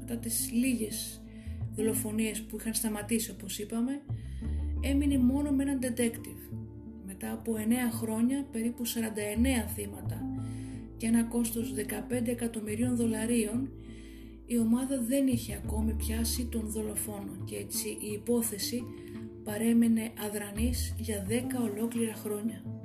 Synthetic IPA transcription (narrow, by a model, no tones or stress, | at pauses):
met̪ɐt̪izliʝe̞z | ðo̞lo̞fo̞nie̞spuixɐnst̪ɐmɐt̪isio̞po̞sipɐme̞ | e̞minemo̞no̞mee̞nɐnd̪e̞t̪e̞kt̪iv | me̞t̪ɐːpo̞e̞ne̞ɐxɾo̞ɲɐpe̞ɾipusɐɾɐnd̪ɐe̞ne̞ɐθimɐt̪ɐ | cee̞nɐko̞st̪o̞zðe̞kɐpe̞nd̪e̞ːkɐt̪o̞miɾio̞nðo̞lɐɾio̞n | io̞mɐðɐðe̞niçe̞ɐko̞mipçɐsit̪o̞nðo̞lo̞fo̞no̞cee̞t͡siʔiːpo̞θe̞si | pɐɾe̞me̞ne̞ʔɐðɾɐnizʝɐðe̞kɐo̞lo̞kliɾɐxɾo̞ɲɐ